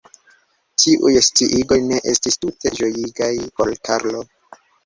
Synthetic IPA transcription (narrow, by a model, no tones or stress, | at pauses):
tʰiʔujstiʔiɡo̞jne̞ʔe̞stistute̞d͡ʒo̞jiɡajpolkaɾlo